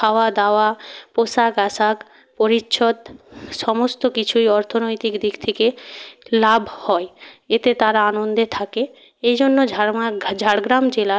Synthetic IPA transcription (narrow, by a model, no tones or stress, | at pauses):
awad̪aoaposakaʃak | poɾitːʃʰod̪ʃɔmost̪okit͡ɕʰuiɔɾt̪ʰonojt̪ikd̪ikt̪ʰikelabʱhɔeet̪et̪aɾaanond̪et̪ʰake | ejd͡ʑonːod͡ʑʱad͡ʑʱaɽɡɾamd͡ʑela